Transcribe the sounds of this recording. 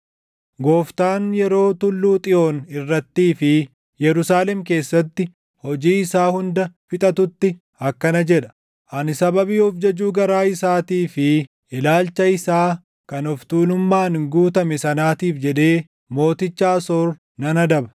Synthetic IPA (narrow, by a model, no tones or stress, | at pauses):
ɡoːft̪aːnjɛɾo̞ːt̪ʊlːuːt̪ʼɪo̞ːnɪrːɐt̪ːiːfɪ | jɛɾʊsaːlɛmk̬e̞ːsːɐt̪ːɪ | hɔd͡ʒiːɪsaːhʊnd̪ɐfɪt̪ʼɐt̪ʊt̪ːɪ | ɐkːɐnɐd͡ʒɛᶑɐ̥ | ʔɐnɪsɐbɐbiːɔfd͡ʒɐd͡ʒuːɡɐɾaːɪsaːt̪iːfɪ | ɪlaːlt͡ʃɐɪsaː | kɐnɔft̪uːnʊmːaːnɡuːt̪ɐmɛsɐnaːt̪iːfd͡ʒɛᶑe̞ː | mo̞ːt̪ɪt͡ʃːaːsoːɾ | nɐnɐd̪ɐbɐ̥